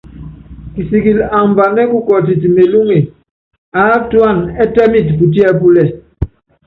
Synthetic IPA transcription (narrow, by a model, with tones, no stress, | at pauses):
ki˨si˨ki˨la˨mba˨nɛ˦ku˦kɔ˨ti˨t̬i˨me˨lu˦ŋe˨ | a˨˦twa˦˨nɛ˦tɛ˦mi˦˨tpu˨t̬i˦ɛ˦˨p̬u˦lɛ˨